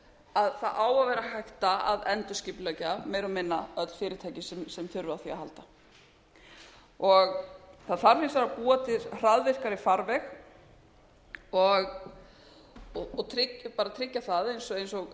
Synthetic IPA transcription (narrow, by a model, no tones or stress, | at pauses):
aðθaðʔaːwavɛːɾahajht̪aa̰ðɛnt̪ʏscɪplœcameːjɾamɪnːaœt̪l̥fɪːɾɪt̪ʰaːjcɪsɛmsɛmθʏɾvaθiahalt̪a | ɔɣθaðθaɾ̥fɪnsaɾapuːat̪ʰɪɾr̥aðvɪr̥kaɾɪfaɾvɛx | ɔɣ | ɔɔt̪ʰɾɪcpaːɾat̪ʰɾɪcːaθaðejnsɔejnsɔɣ